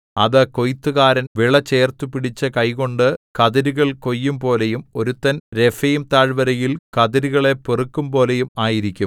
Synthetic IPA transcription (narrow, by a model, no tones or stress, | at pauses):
ɐðɨko̞jt̪ːuɣaːɾɐnʋiɭɐt͡ɕe̞ːrt̪upiɽit͡ɕːɐkɐjko̞ɳɖɨkɐðɐɾuɣɐɭko̞jːumpo̞ːlejumo̞ɾut̪ːɐnɾe̞fɐjumt̪aːɻʋɐɾɐjilkɐðɐɾuɣɐɭe̞perukːumpo̞ːlejumaːjiɾikʲːum